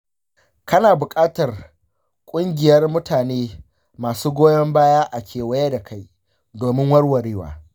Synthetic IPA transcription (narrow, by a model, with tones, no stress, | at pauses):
kɐ˦naː˨bʊ˨kʼaː˦tɐ˨r | kʷʼʊ˦ŋɡʲɪ˨jɐ˦rmʊ˦taː˨neː˦ | maː˨suː˦ɡʷoː˦jɐ˦mbaː˦jaː˦ʔa˨kʲʰeː˨wɐ˦ja˦da˨kʰa˦j | doː˨mɪ˦ŋwɐ˦rwɐ˨ɾiː˦wa̰ː˨